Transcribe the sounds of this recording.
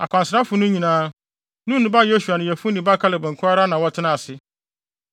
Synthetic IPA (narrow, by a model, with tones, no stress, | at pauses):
a˨kʷʰã˨nsɪɾa˦fʊ˨nʊ̃˦ɲĩ˨nãː˦ | nũ˦nːʊ̃˦ba˦˨je˦su˨a˨nɪ̃˨jɛ˨fʊ˦nĩ˨ba˦kʰa˦lɪ˨bɛ̃˨ŋ̩˨kʰʊ˦a˦ɾa˦nã˨wɔ˦tʰɪ˦nã˨sɪ˦